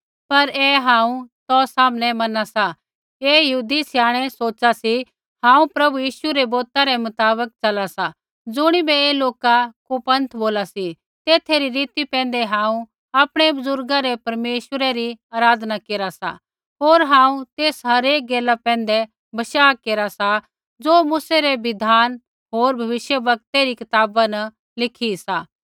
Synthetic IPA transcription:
pɐɾɛːɦãːũt̪ɔːsaːmnɛmɐnasa | eːjɐɦuːd̪isjaːɽ̃ɛsoːt͡ʃasi | hãːũpɾɐbujiːʃuɾɛboːt̪aɾɛmʊt̪aːbək̚t͡ʃɐlasa | d͡zʊɽ̃ibɛeːloːkakupɐ̃nt̪ʰboːlasi | t̪eːt̪ʰeɾiɾiːt̪ipɛ̃ːn̆d̪ɛɦãːũ | aːpɽ̃ebʊzʊɾɡaɾɛpɐɾmeːʃwəɾeɾiaːɾaːd̪nakeːɾasa̰ | ɦoːɾɦãːũt̪eːsɦɐɾeːk̚ɡeːlapɛ̃ːnd̪ɛ | bɐʃaːkeːɾasa | d͡zoːmʊseɾeʋɪd̪ʱaːn | ɦoːɾbʱɐʋɪʃjəʋɐk̚t̪eɾikɪt̪aːbanɐ | lɪkʰisaː

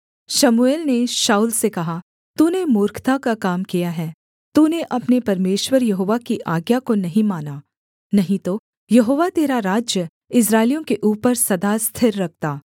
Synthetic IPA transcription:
ʃɐmueːlneʃaːuːlsekɐɦa | t̪uːnemʊːɾkʰt̪akakaːmkijaɦɛː | t̪uːneʔɐpnepɐɾmeːʃwəɾjɐɦoːʋakiʔaːɡjakonɐɦĩmaːnaː | nɐɦĩt̪o | jɐɦoːʋat̪eːɾaɾaːd͡ʒjə | ɪs̬ɾaːɪlijõkeʔuːpəɾsɐd̪ast̪ʰɪɾːɐk̚ʰt̪aː

